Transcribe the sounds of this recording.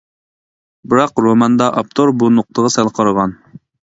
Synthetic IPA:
bɨɾɑqɾomɑnd̪ɑʔɑp̚t̪ʰoɾbunoq̚t̪ʰəʁɑsɛlˠqʰɑɾəʁɑn

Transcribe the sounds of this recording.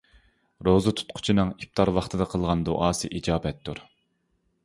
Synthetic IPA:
ɾozɨt̪ʰu̥t̪̚qʰʊ̥t͡ʃʰinɨŋip̚t̪ʰɑɾwɑχt̪ʰɨd̪ɑqʰəlˠʁɑnd̪o̰ʔɑːsɨʔid͡ʒɑːbɛt̪ʰːuɾ

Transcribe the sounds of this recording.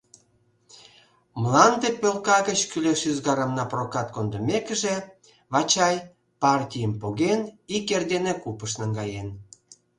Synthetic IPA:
mlˠɑnd̪epølkɑɣət͡ɕkyleʃyzɡɑɾəmnɑprokɑt̪kond̪ə̆mʲekə̆ʒe | βɑt͡ɕɑj | pɑrtʲijəmpoɣenikerd̪enekupəʃnəŋɡɑjen

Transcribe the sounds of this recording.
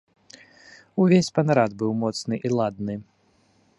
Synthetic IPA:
uvʲesʲpɐnɐɾad̪bɨwmɔt̪snɨʔilˠad̪nɨ

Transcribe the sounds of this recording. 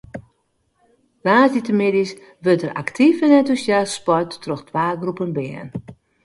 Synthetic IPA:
raːzitəmɪdis | ʋøtəra̰ktʰifənɛntusjasːpɔrtːroxtʰʋaːɡrupənbɛən

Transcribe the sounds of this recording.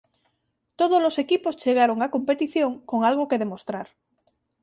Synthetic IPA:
t̪oð̞ozlo̞se̞kipost͡ʃe̞ɣ̞aɾoŋako̞mpe̞t̪iθjo̞ŋko̞ŋalɣ̞oke̞ðe̞mo̞st̪ɾaɾ

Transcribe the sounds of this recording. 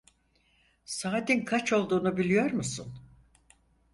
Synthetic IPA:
saːd̪inkʰat͡ʃo̞lˠd̪uːnubilʲijo̞ɾmusun

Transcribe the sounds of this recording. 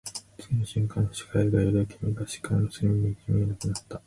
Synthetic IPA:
t͡sɨ̥ɡʲinoɕĩŋkãnːoɕi̥kaiɡajoɾokʲimʲiɡaɕi̥kãnːosemʲiɲikʲʰimʲiːnakɯ̟nat̪ːa

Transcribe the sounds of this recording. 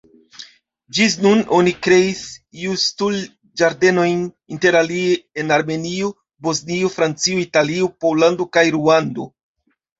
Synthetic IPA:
d͡ʒis̬nuno̞nikɾe̞isiustul | d͡ʒaɾde̞no̞jn | inte̞ɾalieenaɾme̞nio | bo̞zniofɾant͡sioitaliopo̞lando̞kajɾuando̞

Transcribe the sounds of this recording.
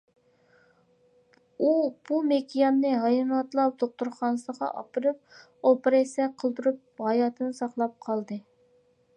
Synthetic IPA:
ub̥umekʲʰijɑnnːɨɦɑjnɑt̪lˠɑp̚d̪oq̚t̪uɾχɑnɨsəʁɑ̰ʔɑ̰pɨɾɨp̚ | opɨɾɑsɛqʰəlˠd̪uɾup̚ʁɑjɑt̪ʰɨnɨsɑχlˠɑp̚qʰɑlˠd̪ɨ

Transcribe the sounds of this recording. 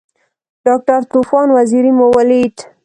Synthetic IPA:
ɖɑk̚ʈaɾt̪ufɑnwaziɾimowəliʈ

